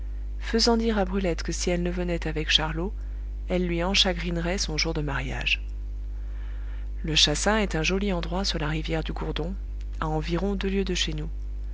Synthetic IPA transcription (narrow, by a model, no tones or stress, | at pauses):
fəzɑ̃d̪iʁabʁylɛt̪kəsiɛlnəvənɛt̪avɛkʃaʁlo | ɛlːɥiɑ̃ʃaɡʁinʁɛsɔ̃ʒuʁd̪əmaʁja̰ʒ | ləʃasɛ̃ɛt̪ɛ̃ʒɔliɑ̃d̪ʁwasyʁlaʁivjɛʁd̪yɡuʁd̪ɔ̃ | aɑ̃viʁɔ̃d̪øljød̪əʃenu